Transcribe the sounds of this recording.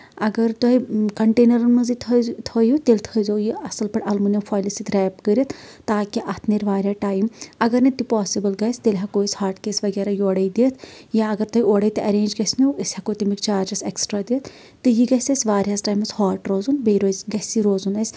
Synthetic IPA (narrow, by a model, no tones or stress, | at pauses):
ɐɡɐɾt̪oɦikɐɳʈeːnɐɾɐnmɐzit̪ʰt̪ʰɐːjut̪elʲt̪ʰəzoːjiɐsɐlpɐʈʔɐlmunɐmfʰaːjlisit̪ɾɛːpkəɾit̪ʰt̪aːkiʔɐt̪ʰneɾʋaːɾʲjaːʈaːjmɐɡɐɾnet̪ipaːsibɐlɡɐjsʲt̪eːlʲɦakoːisʲhaːɾʈkeːsʋɐɡɛːɾajoːɽɐjd̪eːt̪ʰjaɐɡɐɾt̪oɦioːɽɐit̪ɨʔɐɾẽːnd͡ʒɡɐsʲmuəsʲhɐkot̪imikt͡ʃaːɾd͡ʒɐseksʈɾaːd̪eːt̪ʰː | ɨjiɡɐsʲɐsʲʋaːɾʲasʈaːjmɐshaːʈɾoːzunbeɾoːzɡɐsiɾoːzunɐsʲ